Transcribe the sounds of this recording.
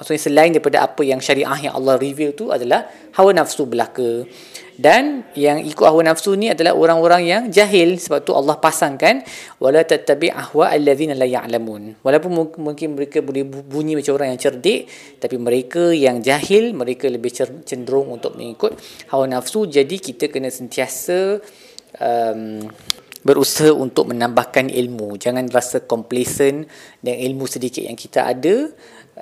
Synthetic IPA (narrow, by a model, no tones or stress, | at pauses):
maksukɲasəlaɪndaɾipada̰ʔa̰pəjaŋʃaɾiʔaɦjã̰ʔɑ̰lːɑhrivilt̪ua̰dalah | hawanafsubəlakə | danjaŋʔikʊt̪̚hawanafsunĩadala̰ɦoɾaŋoɾaŋjaŋd͡ʒaɦɪlsəbap̚t̪uʔɑ̰lːɑhpasaŋkan | wʔalat̪at̪ːabɪ̰ʔahwaʔalːaðinalaja̰ʔlamunwalap̬ʊnmumuŋkɪnməɾekabolɛhbuɲĩmat͡ʃamoɾaŋjaŋt͡ʃərdɪʔ | t̪apimə̃ɾekajaŋd͡ʒahɪlmə̃ɾekaləbɪht͡ʃət͡ʃəndɾʊŋunt̪ʊk̚mə̰ŋikʊt̪̚hawanafsud͡ʒadikit̪akənãsənt̪iasə | ʔəm | bəɾusɦaʔunt̪ʊk̚mə̃nãmbahkanʔḭlmũd͡ʒaŋãnrasakɔmplesəndanilmũsədikɪt̪̚ja̰ŋkit̪aʔa̰da